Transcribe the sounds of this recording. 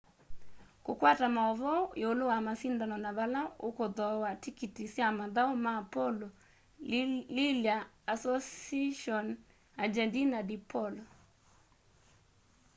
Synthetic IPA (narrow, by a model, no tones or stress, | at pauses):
kokwatamaɔβɔeolowamasindanɔnaβalaokoðɔwatikitisjamaðaomaːpɔlɔ | liljaː | sɔsaʃɔn | ad͡ʒɛndinadipʰɔlɔ